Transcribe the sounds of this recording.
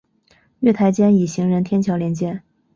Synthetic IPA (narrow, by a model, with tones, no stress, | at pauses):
ɥɛ˥˩t̪ʰa˧˥ɪt͡ɕjɛ˥ni˨˩ɕi˧˥ŋɻə˧˥nt̪ʰjɛ˥nt͡ɕʰjɑ˧˥ʊljɛ˧˥nt͡ɕjɛ˥n